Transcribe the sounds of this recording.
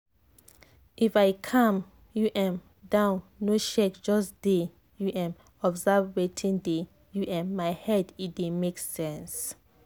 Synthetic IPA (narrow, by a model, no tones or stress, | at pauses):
ʔifajkʰãm | juʔɛ̃m | dãʊ̃nːoʃɛkd͡ʒɔsd̥e | juʔɛ̃m | ɔbzavetʰĩŋde | juʔɛ̃nmajhɛdidemeksɛ̃ns